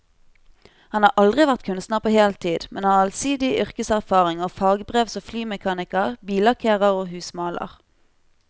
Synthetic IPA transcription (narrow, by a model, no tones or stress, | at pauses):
hɑnhɑːʔɑld̪ʁɪʋæʁt̪kʰʉnst̪nəʁpʰoːheːlt̪ʰiːd̪mɛ̰nhɑʁɑlsiːd̪ɪʔʏʁkəsæʁfɑːʁɪŋoːfɑːɡbʁeːʋsoːflyːmɛkʰɑːnɪkəʁbiːlɑʁkʰeːʁəʁoːhʉːsmɑːlə̰ʁ